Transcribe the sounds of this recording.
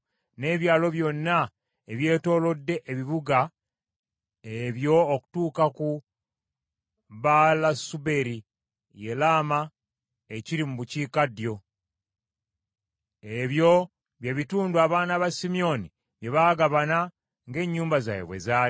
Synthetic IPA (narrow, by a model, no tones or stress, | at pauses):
ne̞ːβjaːlo̞βjo̞nːa | eβje̞ːto̞ːlo̞dːe̞ʔːβiβuɡa | eβjo̞ːku̥tuːkaku | βalasube̞ɾi | je̞laːma | eciɾimuβuciːkadjo̞ | eβjo̞ | βjeβituːnduaβaːnaβasimio̞ni | βje̞βaːɡaβana | ŋɡe̞ːɲːuːmbaza̰jḛβwḛza